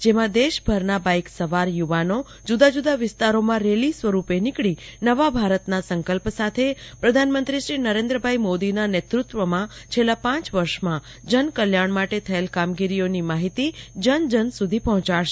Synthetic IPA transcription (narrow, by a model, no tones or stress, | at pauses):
d͡ʒemãd̪eʃbʱəɾnabaiksəʋaɾjuʋano | d͡ʒud̪ad͡ʒud̪aʋɪst̪aɾomãɾelisʋəɾupenɪkɭinəʋabʱaɾət̪nasəŋkəlpsat̪ʰepɾəd̪ʱanmənt̪ɾiʃɾinəɾẽnd̪ɾəbʱaimod̪inanet̪ɾut̪ʋəmãt͡ʃʰelːapãt͡ʃʋəɾʃmã | d͡ʒənkəljaɳ̃maʈet̪ʰəelkamɡiɾionimaɦit̪id͡ʒənd͡ʒənsud̪ʱipɔɦɔ̃t͡ʃaɭʃe